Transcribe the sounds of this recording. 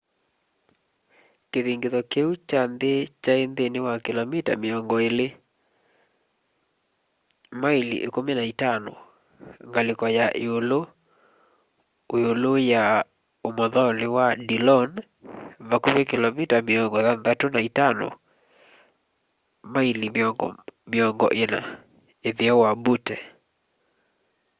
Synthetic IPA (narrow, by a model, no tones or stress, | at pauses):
keðiŋɡeðɔkeut͡ʃand̪et͡ʃaend̪enewakelɔmita̰meɔŋɡɔele | mailḭʔekomenaitanɔ̰ | ŋɡalekɔjaʔeolo | ooloja | omɔðɔnewadilɔn | βakomekɪlɔmitameɔŋɡɔðanðatonaitanɔ̰ | mailimmɪɔŋɡɔ̰ʔena̰ | eðiɔwabutɛ